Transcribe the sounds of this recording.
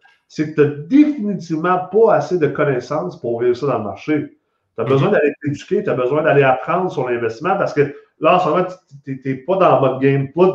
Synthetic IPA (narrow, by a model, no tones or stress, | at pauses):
sekət̪əd̪efinit̪ivmɑ̃pɔased̪əkɔnɛsɑ̃spʊʁviːv̥sɔd̪ãləmaʁʃe | t̪yɐbəzwɛ̃d̪aleed͡zy̥kʲet̪yabəzwɛ̃d̪aleapχɑ̃d̪ʁsyʁlɛ̃vɛst̪ismãpaʁsə̥kə | lʌɑ̃smɔmãt̪t̪et̪epɔd̪ãmɔt̪̚ɡʲɛ̃mpʊt̪